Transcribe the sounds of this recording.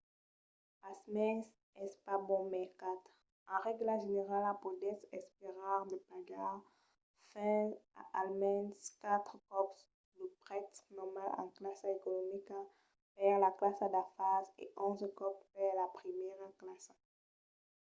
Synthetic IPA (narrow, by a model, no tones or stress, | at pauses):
pasmɛs | ɛspabɔ̃mɛʁkat̪χ | ɑ̃ʁɛɡlaʒeneʁalapod̪ɛsɛspeʁaʁd̪əpaɡa | fɛ̃a̰ʔalmɛ̃nskat̪χkɔps | ləpʁɛt̪nɔmalɑ̰̃klasaekɔnɔmika | pɛʁlaklasad̪afazḛʔɔ̃zkɔppɛlapχimjɛʁɑ̃klasa